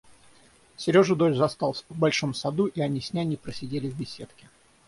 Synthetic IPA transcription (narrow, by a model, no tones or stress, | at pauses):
sʲɪɾʲo̞ʐɨd̪olzɐst̪ɑlˠsʲvbɐlʲʂomsɐd̪uʔiɐnʲisʲnʲænʲɪpɾəsʲɪdʲelʲɪvbʲɪsʲe̞t̪kʲɪ̥